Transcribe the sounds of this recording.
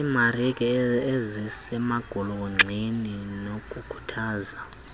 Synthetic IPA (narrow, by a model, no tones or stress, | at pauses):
imarikʼɛezisɛmaɡ̥ʱulukuŋ͡ǀʱininokʼukʰu̥tʰaːza